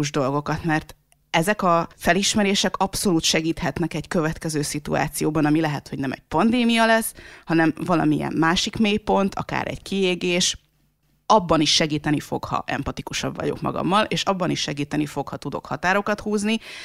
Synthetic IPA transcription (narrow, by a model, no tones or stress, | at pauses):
uʒd̪o̞lɡo̞kɒt̪mɛrt̪ | ɛzɛkɒfɛliʃmɛɾeːʃɛkɒpso̞luːt̪ʃɛɡiːt̪hɛt̪nɛkɛɟkøvɛt̪kɛzøːsit̪ua̰ːt̪sijoːbɒnɒmilɛɦɛt̪ho̞ɟnɛmɛ̰ɟ̚pɒnd̪eːmijɒlɛsːhɒnɛmvɒlɒ̰mijɛ̰mːaːʃikmeːpo̞nt̪ʰɒ̰ka̰ːɾʔɛ̰ɟkieːɡeːʃ | ɒbːɒniʃːɛɡiːt̪ɛnifo̞̰khɒ̰ʔɛ̰mpɒt̪ikuʃɒ̰bːɒ̰ɟokmɒ̰ɡɒ̰mːɒleːʃɒbːɒniʃʃɛɡiːt̪ɛnifo̞khɒt̪ud̪o̞̰khɒt̪aːɾo̞kɒt̪huːzni